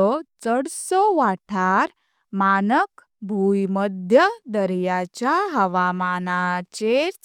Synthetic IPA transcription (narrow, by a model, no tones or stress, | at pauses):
ɔt͡səɽsɔʋaʈʰaɾ | manək | bʱujməd̪ʱjəd̪əɾjat͡ɕjaɦəʋamanat͡ɕeɾ